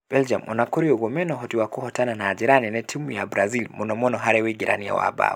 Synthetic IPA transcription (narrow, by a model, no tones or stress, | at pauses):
b̥ɛld͡ʒamɔ̰nakɔɾiuɣɔmɛnɔɦɔtiwakuhɔtananaːd͡ʒiɾaninɛtʰimujabɾazilmɔnɔmɔnɔɦaɾɛwiɡiɾa̰nija̰wa̰ba̰w